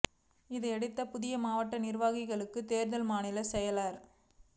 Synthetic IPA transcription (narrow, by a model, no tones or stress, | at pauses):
ɪðɐɛɽɯt̪ːɐpʊðɪjɐmaːʋɐʈːɐnɪrʋaːɣɪɣɐɭɯkːɯt̪eːɾðɐlmaːnɪlɐsɛjɐlaːɾ